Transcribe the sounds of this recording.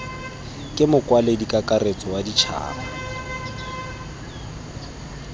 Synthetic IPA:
kʼɪmʊkʼwaledikʼakʼaret͡sʼɔwadit͡ʃʰa̰ːna

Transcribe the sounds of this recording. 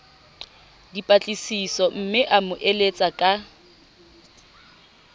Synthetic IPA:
dipʼat͡ɬʼisisɔm̩mɪʔamʊʔelet͡sʼakʼa

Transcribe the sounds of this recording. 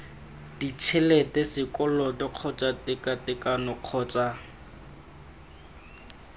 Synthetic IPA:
dit͡ʃʰɛlɛtɛsɪkʼɔlɔdɪq͡χʰɔt͡ʃʼatɪkʼatɪkʼanʊq͡χʰɔːt͡ʃʼa

